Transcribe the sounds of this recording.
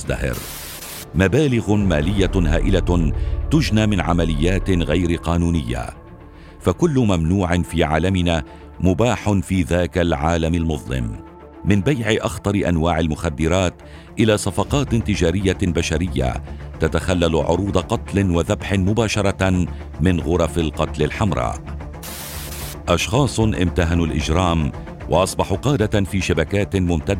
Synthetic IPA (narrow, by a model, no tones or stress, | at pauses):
t̪ahɪ̰ɾ | mabaːlɪɣʊmaːlɪjːaɦa̰ːʔɪlat̪ʊd͡ʒnaːmɪnʕa̰malɪjːaːt̪ɪɣajɾɪqɑːnuːnɪjːa̰ | fakʊlːʊmamnuːʕɪnfiːʕaːlamɪnaː | mʊbaːħʊnfiːðaːkalʕaːlamalmʊðˤlɪ̰mː | ɪnbajʕɪʔɑxt̪ˤɑɾɪʔanwaːʕalmʊxad̪ːɪɾɑːt̪ | ʔɪlaːsˤɑfɑqɑːt̪t̪ɪd͡ʒaːɾɪjːabaʃaɾɪjːa̰t̪at̪axalːalʕʊ̰ɾuːd̪ɑqɑt̪lɪnwaðabħɪmʊbaːʃɑɾˤɑ | mɪnɣʊɾˤɑfɪlqɑt̪lɪlħamɾˤɑ̰ːʔ | ʔɑʃxɑːsˤʊʔɪ̰mt̪aɦanʊlʔɪd͡ʒɾˤɑːm | wʔɑ̰ʔɑsˤbɑħʊqɑːd̪afiːʃabakaːt̪mʊmt̪ad̪ː